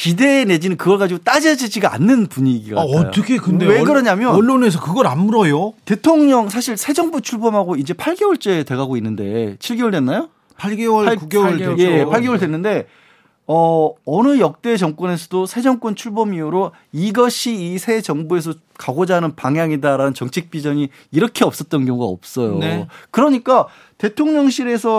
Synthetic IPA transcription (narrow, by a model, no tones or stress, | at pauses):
kide̞ːne̞d͡ʑinɯnkɯɡʌɭɡad͡ʑiɡot͈ad͡ʑʌd͡ʑid͡ʑiɡaa̰nːɯnpuɲiɡḭɡa̰ʌj̰t͈ʰʌkʰekɯnddeeɡɯɾʌɲamjʌʌɭːones̬ʰʌkɯɡʌɾanmuɾʌjote̞tʰoŋɲʌŋs̬ʰaɕʰiɭsʰe̞d͡ʑʌŋbut͡ɕʰuɭbʌmɦaɡoid͡ʑe̞pʰaɭɡewʌɭt͡ɕ͈ete̞ɣaɡoinːɯnde̞̰t͡ɕʰiɭɡewoɭdwe̞nːajo | pʰaɭɡewʌɭakuɡewjepʰaɭɡe̞woɭdwenːɯnde̞ | ʌʌnɯjʌk̚t͈e̞t͡ɕʌŋk͈wʌne̞s̬ʰʌdosʰe̞d͡ʑʌŋk͈wʌnt͡ɕʰuɭbʌmiuɾo | iɡʌɕʰiːsʰe̞d͡ʑʌŋbue̞s̬ʰʌ | kaɡod͡ʑaɦnɯnpaŋjaŋidaɾanɯnt͡ɕʌŋt͡ɕʰik̚p͈id͡ʑʌɲi | iɾʌkʰe̞ʌp̚s͈ʌt̚t͈ʌnkjʌŋuɡa̰ʌp̚s͈ʌjo̰kɯɾʌɲik͈a | te̞tʰoŋɲʌŋɕʰiɾe̞sʰʌ